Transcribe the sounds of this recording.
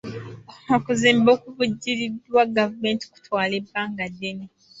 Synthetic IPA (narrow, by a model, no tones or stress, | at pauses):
okuziːmbo̞ːkuvuɟːiɾidwaɡavume̞ːnti̥ku̥tʰwaːle̞bːaːŋɡadːe̞ne